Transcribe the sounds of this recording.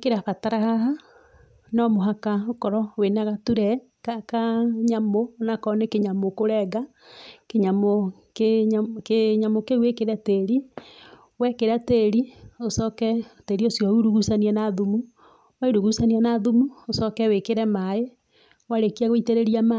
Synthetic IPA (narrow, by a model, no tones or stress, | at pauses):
keɾafataɾahaɦa | nɔmoɦakaokɔɾɔwenaɣatuɾɛ | kakaɲamonakɔnekeɲamokoɾɛɡa | keɲamo | kkeɲamokewekeɾateɾi | wɛkeɾateɾiosɔkɛteɾiosjɔuɾuɣusaniɛnaðumu | waiɾuɣusanianaðumuosɔkɛwekeɾɛmae | waɾekiaɣoiteɾeɾiama